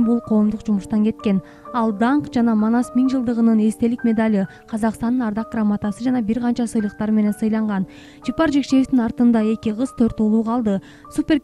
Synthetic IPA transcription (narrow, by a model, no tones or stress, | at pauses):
bulˠqʰo̞ːmd̪uqd͡ʒumuʃt̪ɑŋke̞t̪̚ke̞n | ɑlˠd̪ɑɴqd͡ʒɑnɑmonɑsmiŋd͡ʒɯlˠd̪ɯʁɯnɯne̞st̪e̞likmʲe̞d̪alʲi | qʰɑzɑqst̪ɑnɯnɑɾd̪ɑq̚ɡ̥rɑmːat̪asɯd͡ʒɑnɑbiɾqɑnt͡ʃɑsɯjlˠəq̚t̪ɑɾme̞ne̞nsɯjlˠɑɴʁɑn | d͡ʒipɑɾd͡ʒe̞kʃe̞jeft̪inɑɾt̪ɯnd̪ɑe̞kʲiʁɯzt̪ʰøɾt̪ulˠuːqʰɑlˠd̪ɯ | supʲe̞ɾ